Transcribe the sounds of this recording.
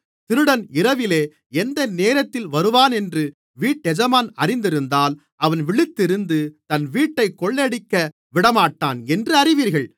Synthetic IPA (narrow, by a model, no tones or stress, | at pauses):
t̪ɪɾɯɽɐnɪɾɐʋɪleː | ɛnd̪ɐneːɾɐt̪ːɪlʋɐɾɯʋaːnɛndrɯ | ʋiːʈːɛd͡ʒɐmaːnɐrɪnd̪ɪɾɯnd̪aːl | ʔɐʋɐnʋɪɭɪt̪ːɪɾɯnd̪ɯt̪ɐnʋiːʈːɐɪkːɔɭːɛɽɪkːɐ | ʋɪɽɐmaːʈːa̰ːnɛndrɯɐɾɪʋiːɾɣɐɭ